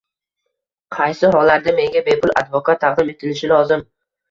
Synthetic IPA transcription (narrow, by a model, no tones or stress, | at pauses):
qʰɑjsɪɦɒlaɾd̪ame̞ŋɡʲabe̞pʰʊlʔa̰d̪vɒkʰat̪ʰːɑqd̪ɪme̞t̪ʰɪlɪʃɪlɒzɪm